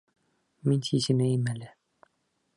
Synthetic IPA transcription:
minʲt̪ʰisɘ̆mæjɘmælɘ

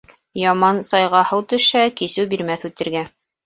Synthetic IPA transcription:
jɑmɑnsɑjʁɑhɤwt̪ɵ̆ʃækisɘwbiɾmæθʉt̪ɘ̆ɾɡæ

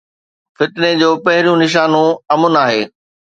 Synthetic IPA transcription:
fɪt̪ɪned͡ʑoːpɐɦɪɾjũnɪʃ̬aːnõɐmʊnaːɦeː

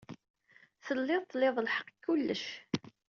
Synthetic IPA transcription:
θəlːɪðt̪ˤːlːeðˤlħə̥qːkːulːəʃ

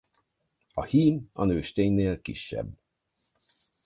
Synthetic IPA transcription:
ɒhiːmɒ̰nøːʃt̪eːɲneːlkḭʃːɛ̰bː

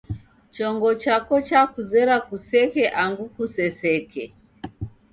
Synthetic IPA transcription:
t͡ʃɔŋɡɔt͡ʃakɔt͡ʃakuzɛɾakusɛkɛʔaŋɡukusɛsɛkɛ

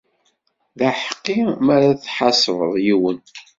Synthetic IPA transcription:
ðæħəqːimæɾaθħɑsˤɾə̰ðˤjiwən

